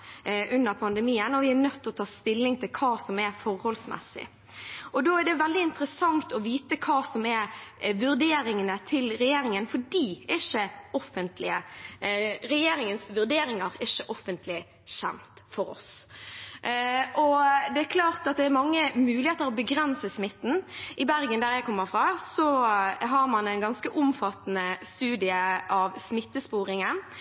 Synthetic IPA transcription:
ʔʉnːəɾpʰɑnd̪əmiːənɔʋɪæɾnœt̪ːɔt̪ʰɑːst̪ɪlːɪŋt̪ʰɪlkʰɑːsɔmɛɾfɔɾhɔlsmɛ̰sːɪ̰ | ɔd̪oːæʁɖɛʋɛld̪ɪɪnt̪əɾəsɑŋt̪ɔʋiːt̪əkʰɑːsɔmɛɾʋʉʁd̪eːɾɪŋənət̪ʰɪlɾɛjeːɾɪŋənfɔɖiːæɪʃəɔfənt̪lɪ̰ə | ɾɛjeːɾɪŋənsʋʉʁd̪eːɾɪŋɑɾɪʃəʔɔfːənt̪ʰlɪ | ɕɛ̰mt̪fɔɾɔ̰s | ʔɔd̪ɛæɾkʰlɑːʁt̪ɑt̪̚d̪ɛæɾmɑŋːəmʉːlɪheːt̪əɾɔbəɡɾɛnsəsmɪt̪ːn̩ʔɪbæɾɡənd̪æʁjæɪkʰɔmːəɾfʁɑːsɔɦɑɾmɑnɛnɡɑnskəʔʊmfɑt̪ːnəst̪ʉːd̪ɪəʔɑʋsmɪt̪ːəspuːɾɪŋən

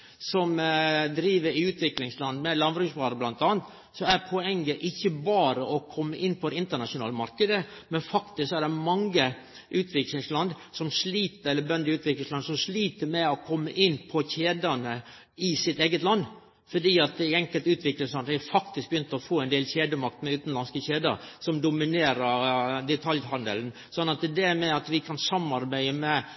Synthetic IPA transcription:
sɔmd̪ɾiːʋəɾɪʉːt̪ʰʋɪklɪŋslɑnmɛlɑnʋɾʉːsʋɑːɾəblɑnt̪ɑːnt̪ | sɔæɾpʰɔɛŋːəʔɪçːəbɑːɾəɔkʰɔmːəʔɪnːpʰɔɪnt̪əɳɑʂʊnɑ̰ːləmɑɾkəd̪əmɛnfɑkt̪ɪsksɔæɾd̪ɛmɑŋːə | ʔʉːt̪ʰʋɪklɪŋslɑnd̪ | sɔmʂliːt̪əɾɛlːəbœnd̪əɪʉːt̪ʰʋɪklɪŋslɑnsɔmʂliːt̪əmɛɔkʰɔmːəʔɪnːpʰɔçeːd̪ənə | ɪsɪt̪eːɡət̪lɑnː | fɔɖiːɑt̪̚d̪ɛɛŋkəlt̪ʉːt̪ʋɪklɪŋslɑnd̪ɪfɑkt̪ɪsk̚bjʏnt̪əɔfoːɛɪnd̪eːlçeːd̪əmɑk̚t̪mɛʉːt̪n̩lɑnskəçeːd̪ə̰ɾsɔmd̪ʊmɪneːɾəɾd̪ɛt̪ʰɑljhɑnd̪ə̰ln̩ | sɔnːɑt̪d̪ɛmɛɑt̪ʋɪkʰɑnsɑmːɑɾbæɪəmɛ

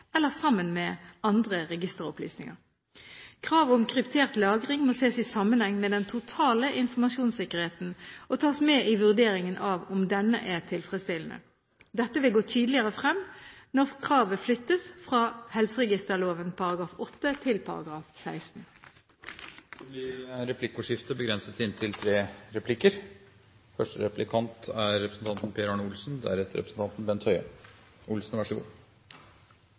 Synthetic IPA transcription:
ɛlːəʁsɑmːənmɛɑnd̪ʁəʁɛɡɪst̪əʁɔ̰ply̰ːsnɪŋə̰ʁ | kʰʁɑːʋɔmkʰʁɪpt̪ʰeːʁt̪lɑːɡəʁɪŋmoːseːsɪsɑmənhɛŋːmɛd̪ɛnt̪ʰʊt̪ʰɑːləʔɪnfɔʁmɑsjuːnsɪkəʁheːt̪n̩ʔɔt̪ʰɑːsmeːʔɪʋʉʁd̪eːɾɪŋənʔɑʋʊmd̪ɛnːə̰ʔæʁt̪ʰɪlfʁɛst̪ɪln̩ə̰ | d̪ɛt̪ːəʋɪlɡoːt̪ʰyːd̪əlɪəʁəfʁɛmːnɔʁkʰʁɑːʋəflʏt̪ːəsfʁɑːhɛlsəʁɛɡɪst̪əʁloːʋənpʰɑɾɑɡɾɑːfɔt̪ːət̪ʰɪlpʰɑ̰ɾɑ̰ɡʁɑːfsæɪst̪n̩ | d̪̥ɛbɪɾɾɛpʰlɪkːʊʂɪft̪əbəɡɾɛnsət̪ɪnt̪ʰɪlt̪ʰɾeːɾɛpʰlɪkːəɾ | fœʂʈəɾɛplɪkʰɑnt̪æɾːɛpɾəsn̩t̪ɑnt̪n̩pʰeːɾɑnʊlsn̩d̪æ̰æɾɛt̪əɾɛpɾəsn̩t̪ɑnt̪n̩bɛnt̪ʰhœʏɑ | ʊlsn̩ʋɑʂəɡṵː

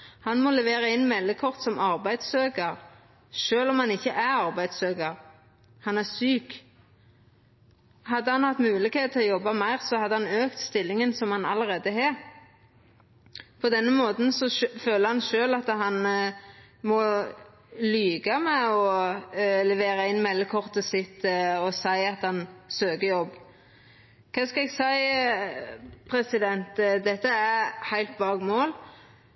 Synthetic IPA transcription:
hɑnmɔlɛʋeːʁɑɛɪnmɛlːəkʰɔʁt̪sɔmʔɑʁbæɪd̪søːkəʁ | ʃøːlɔmhɑnɪçːəʔæɾɑʁbæɪd̪søːkəʁ | hɑnæʁsyːk | hɑd̪ːəhɑnhɑt̪ːmʉːlɪkheːt̪̚ʰɪɔjɔbːɑmæɪʁsɔhɑd̪ːəhɑnøːkt̪st̪ɪlːɪŋənsɔmhɑnɑləʁeːd̪əɦeː | pʰɔd̪ɛnːəmoːt̪n̩sɔføːləɾhɑnʃøːlɑt̪ːəɦɑn | mɔ | lyːɡɑmɛɔ | lɛʋeːɾɑɪnːmɛlːəkʰɔʁt̪əsɪt̪ːəɔsæɪɑt̪hɑnsøːkəjɔb | kʰɑːskɑɛɡsæɪ | pʰɾɛsɪd̪ɛnt̪d̪ɛt̪ːəæhæɪlt̪bɑːɡmoːl

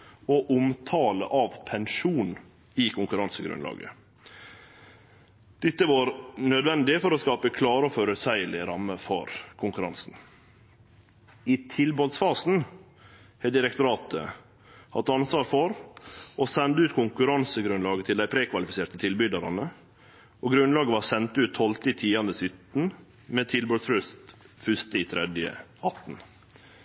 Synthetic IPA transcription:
oʔʊmt̪ʰɑːlə̰ʔɑːʋpʰɛnʂuːn | ɪkʰʊŋkʉɾɑnsəɡɾʉ̰nlɑ̰ːɡə̰ | d̪̥ɪt̪ːəʋɑːɾnœd̪ʋɛnd̪ɪfɔɾoskɑːpəkʰlɑːɾəɔfɔɾʉt̪sæɪəlɪɾɑmːəfɔɾkʰʊŋkʉɾɑ̰nsn̩ | ɪt̪ʰɪlbɑːlsfɑːsn̩ | hɛd̪ɪɾɛk̚t̪ʊɾɑːt̪ə̰ | hɑ̰t̪ɑnsʋɑːɾfɔɾʔosɛnd̪əʉːt̪kʰʊŋkʉɾɑnsəɡɾʉnlɑːɡət̪ʰɪld̪æɪpʰɾeːkʰʋɑlɪfɪseːt̪ət̪ʰɪlbʏd̪ɑɾɑnə | oːɡɾʉnlɑːɡəʋɑːsɛnt̪ʉːt̪ʰːɔlt̪ɪt̪ʰiːɑnd̪əsʏt̪n̩ | met̪ʰɪlbøt̪sɾʉst̪ | fʏst̪əiːt̪ʰɾɛd̪jə̰ɑt̪n̩

